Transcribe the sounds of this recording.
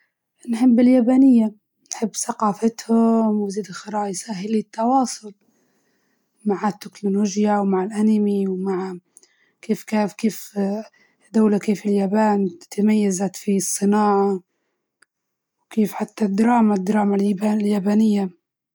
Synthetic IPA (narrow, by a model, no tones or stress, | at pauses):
nħɪbːɪljaːbaːnɪjːa | nħɪbːsaqɑːfɪt̪hʊmwɪziːd̪lxɑɾˤɑːʔjsaːɦɪlit̪ːɑwɑːsˤʊl | maʕat̪ːɪknoloːʒjawmaʕɪlʔanɪmiwmaʕ | keːfkaːfkeːf | d̪awlakeːfɪljaːbaːnt̪majːazat̪fisˤːɨnɑːʕa | wkeːfħat̪ːad̪ɾˤɑːmad̪ːɾˤɑːmalbaljaːbaːnɪjːa